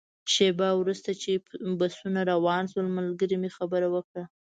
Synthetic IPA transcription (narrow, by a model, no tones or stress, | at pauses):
ʃebawɾust̪at͡ʃebasunaɾawɑnʃwəlmalɡəɾimexabəɾawəkɽa